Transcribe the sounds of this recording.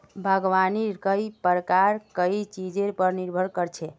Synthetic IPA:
bʱəɡʋanikəjpəɾəkaɾkəit͡ʃid͡ʒeɾpəɾniɾbʱəɾkəɾt͡ʃʰɛ

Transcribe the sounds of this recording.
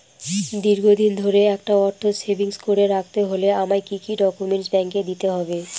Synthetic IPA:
d̪iɾɡʱod̪ind̪ʱoɾeɛk̚ʈaɔɾt̪ʰosebiŋskoɾeɾak̚ʰt̪eɦoleamaekikiɖɔkumeɳʈsbɛŋked̪it̪eɦɔbe

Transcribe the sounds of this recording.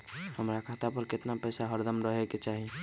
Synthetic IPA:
həmɾakʰaːt̪apəɾkɪt̪napɛːsaɦəɾd̪əmɾəɦeket͡ʃaːɦi

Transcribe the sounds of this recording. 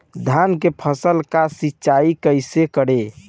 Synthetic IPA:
d̪ʱankepʰəsəlkasitːt͡ʃaikəjsekəɽe

